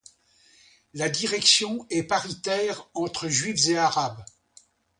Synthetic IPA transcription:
lad̪iʁɛksjɔ̃ɛpaʁit̪ɛːʁɑ̃t̪χəʒɥifzeaʁab

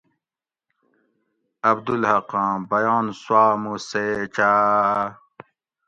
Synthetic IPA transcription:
ɐbd̪ulhɐqãːbɐjɑːnswaːmuseːt͡ɕaː

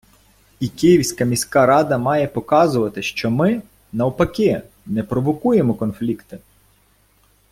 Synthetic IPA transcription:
ikɪjiwsʲkɐmʲisʲkɑɾɑd̪ɐmɑjɛpɔkɑzʊʋɐt̪ɪʃt͡ʃɔmɪ | nɐwpɐkʲɪ | nɛpɾɔʋɔkujemɔkɔnflʲikt̪ɪ

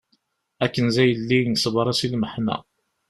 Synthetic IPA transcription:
ækːənzæjəlːinəsˤbɾˤɑsilməħmæ̰

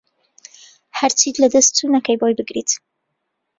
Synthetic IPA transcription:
hɐɾt͡ʃit̪lɐd̪ɐst̪t̪unɐkʰɐjbojbɨɡɾḭt̪

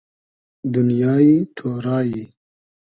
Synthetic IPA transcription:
d̪unjɑːit̪ʰoːɾɑːji

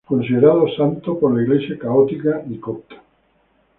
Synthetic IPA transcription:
konsid̪eɾaːðosant̪opoɾleiɣlesjekaɔt̪ikad̪ikɔk̚t̪ḁ

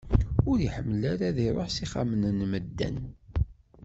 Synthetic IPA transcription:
ʊɾiħəmːlaɾaðiɾˤoħsiχa̰mənənməd̪ːæ̰n

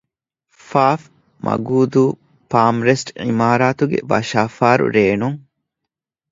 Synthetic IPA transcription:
faːf | mʔɐ̰ɡuːd̪uː | paːmɾesʈḭmaːɾaːt̪uɡḛʋɐ̰ʃaːfaːɾṵɾeːnuŋ

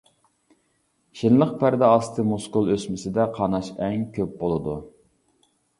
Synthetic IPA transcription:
ʃɪnlˠəq̚pʰæɾd̪ɛɑst̪ʰɨmuskulˠøsmɪsɪd̪ɛqʰɑnɑʃɛŋkʲʰøp̚bolˠɨd̪u

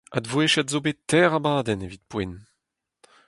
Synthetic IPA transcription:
a̰d̪vweʃɛt̪zobet̪ɛːʁabaːd̪ɛnevit̪̚pwɛn

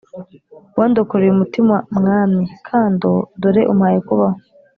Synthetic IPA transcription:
waːndokuɾeumutimwamŋaːmɲikʰaːndodoɾeʔumhaːjekuβaho

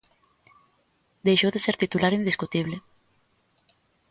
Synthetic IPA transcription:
d̪ejʃoðeseɾt̪it̪ulaɾind̪iskut̪iβle

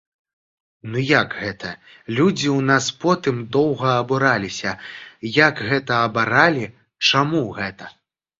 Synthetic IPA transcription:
nujaɡɣɛt̪ʰɐ | lʲud͡zʲiwnaspɔt̪ɨmd̪ɔwɣɐːbuɾalʲisʲɐjakɣɛt̪ɐːbaɾalʲi | t͡ʂamuɣɛt̪ɐ

